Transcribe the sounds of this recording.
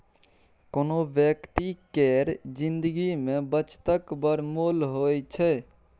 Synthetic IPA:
konobjəkt̪ikɛɾd͡ʒind̪əɡimẽbət͡ʃt̪əkbəɾmolɦojt͡ʃʰɛ

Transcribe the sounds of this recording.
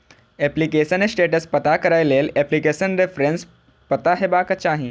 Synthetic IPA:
eplikesənesʈeːʈəspət̪akəɾajleːleplikesənɾefɾens | pət̪aɦebakət͡ʃaːɦĩ

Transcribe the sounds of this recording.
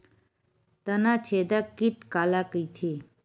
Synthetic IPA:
t̪ənat͡ʃʰed̪akːiʈkaːlakəjt̪ʰe

